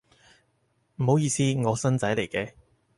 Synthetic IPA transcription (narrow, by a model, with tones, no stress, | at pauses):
m̩˨˩ho˨˥wjiː˧siː˥ŋɔː˨˧sɐ˥nt͡sɐ˨˥jle˨˩jkɛː˧